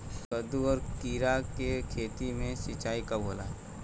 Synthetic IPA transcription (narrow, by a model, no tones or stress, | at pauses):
kɐd̪uɔːɾkiːɾakekʰeːt̪imẽsɪt͡ʃaːikabʱoːla̰ɛ